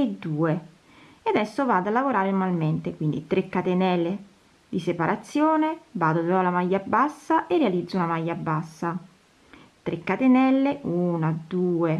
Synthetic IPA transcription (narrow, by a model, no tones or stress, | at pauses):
ed̪ːuːe | ead̪ɛsːovaːd̪alːavoɾaːɾenmalment̪ekwind̪ḭt̪ɾekːat̪enɛlːe | d̪isepaɾʔat̪sːjoːnebaːd̪opɾɔlamajːabːasːaʔerːealid̪zounamajːabːasːa | t̪ɾʔekːat̪enɛlːeuːnad̪uːe